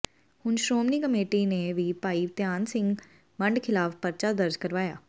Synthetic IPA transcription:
hʊnʃɾoːmniːkəmeːʈiːneːʋiːpaːiːʋt̪jaːnsɪ̃ŋɡ | məɳɖkʰɪlaːfpəɾt͡ʃaːd̪əɾd͡ʒkəɾʋaːja̰ː

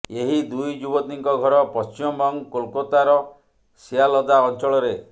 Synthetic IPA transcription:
eɦid̪ujd͡ʒubɔt̪iŋkɔɡʱɔɾɔpɔst͡ʃimɔmbɔŋkolkɔt̪aɾɔ | sialɔd̪aɔnt͡ʃɔɭɔɾe

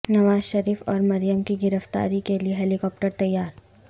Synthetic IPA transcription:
nɐʋaːzʃɐɾiːfɔːɾmɐɾijəmkiɡɪɾəft̪a̰ːɾikelieɦɛːlikɔːp̚ʈəɾt̪ɐjːaːɾ

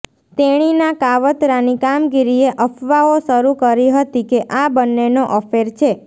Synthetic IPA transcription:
t̪eɽ̃inakaʋət̪ɾanikamɡiɾieʔəfʰʋaoʃəɾukəɾiɦət̪ikeʔabənːenoʔəfeɾt͡ʃʰe

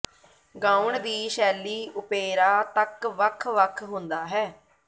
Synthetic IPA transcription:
ɡãːuɳd̪iːʃɛːliːʊpeːɾaːt̪əkʋəkʰʋəkʰɦʊ̃nd̪aːɦɛː

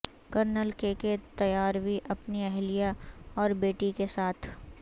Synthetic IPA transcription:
kɐɾnəlkeket̪ɐjaːɾbʱiʔɐpniɛɦlijaɔːɾbeːʈikesaːt̪ʰ

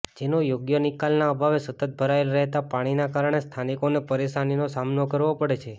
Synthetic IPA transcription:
d͡ʒenojoɡjənikalnaəbʱaʋesət̪ət̪̚bʱəɾaelɾɛɦt̪apaɽ̃inakaɾəɳ̃est̪ʰanikonepəɾeʃaninosamnokəɾʋopəɽet͡ʃʰe

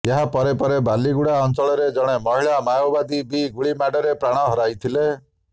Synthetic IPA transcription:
eɦapɔɾepɔɾebaliɡuɽaɔnt͡ʃɔɭɔɾed͡ʒɔɽ̃emɔɦiɭamajɔbad̪ibiɡuɭimaɖɔɾepɾaɽ̃ɔɦɔɾajt̪ʰile

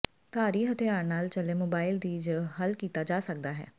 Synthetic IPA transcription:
t̪aːɾiːɦət̪ʰɪjaːɾnaːlt͡ʃəleːmoːbaːɪld̪iːd͡ʒɦəlkiːt̪aːd͡ʒaːsək̚d̪aːɦɛ̰ː

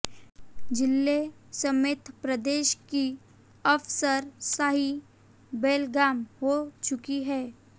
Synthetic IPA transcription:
d͡ʒɪlːesəmeːt̪pɾəd̪eːʃki | əfsəɾsaɦi | beːlɡaːmɦot͡ʃʊkiɦɛː

